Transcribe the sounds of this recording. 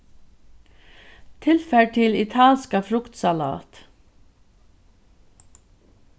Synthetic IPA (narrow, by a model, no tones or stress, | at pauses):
t̪ʰɪlfæʈʰɪlɪt̪ʰaːlskafɾʊkt̪sala̰ːt̪